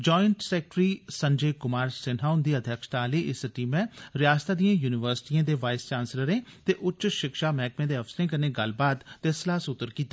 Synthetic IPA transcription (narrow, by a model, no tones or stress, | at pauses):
d͡ʒɔːɪɳʈsɛːk̚ʈɾiːsəɲd͡ʒeːkʊmaːɾsɪnɦaːʊnd̪iːəd̪ʱjəkʃt̪aːliːʔɪsʈiːmɛ̃ːɾɪjaːst̪aːd̪ijãːjuːnɪʋəɾsɪ̥ʈiːãːd̪eːʋaːɪst͡ʃaːnsləɾẽːt̪eːʔʊt͡ʃʃɪkʃaːmɛːkmẽːd̪eːəfʰsəɾẽːk̬əɾneːɡəlbaːt̪ːeːslaːsʊt̪ːəɾkiːt̪aː